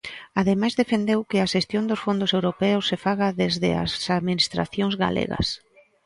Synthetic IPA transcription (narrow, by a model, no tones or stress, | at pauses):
aðemajzðefend̪ewkɪaʃest̪jond̪ʊsfond̪ʊsewɾopɛʊsːefaɣɐðezðɪ̰a̰saðminist̪ɾa̰θjoŋzɣa̰lḛɣɐ̰s